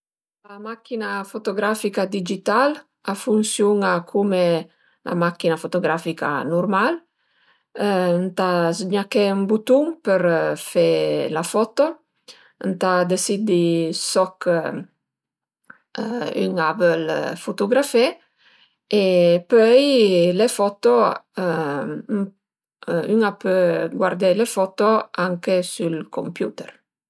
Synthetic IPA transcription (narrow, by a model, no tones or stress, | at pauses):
lamakinafot̪oɡɾafikad̪id͡ʒit̪al | afunsjuŋakʰume | lʔa̰makːinafot̪oɡɾafika̰nurmal | nt̪azɲakembut̪uŋpəɾfelafɔt̪o | nt̪ad̪esid̪isɔk | y̰ŋapəlfot̪oɡɾafe | epøjlefɔt̪o | yŋapøɡwaɾd̪elefɔt̪oaŋkesylkʰompjut̪ɛɾ